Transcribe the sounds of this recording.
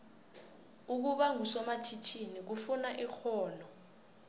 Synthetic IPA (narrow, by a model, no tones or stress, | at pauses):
uk̬uɓaŋusɔmat͡ʃʰit͡ʃʰinik̬ufunaʔixɔːlɔ